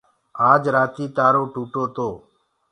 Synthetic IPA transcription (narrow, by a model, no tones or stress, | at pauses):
aːd͡ʒɾaːt̪iːt̪aːɾoːʈuːʈoːt̪oː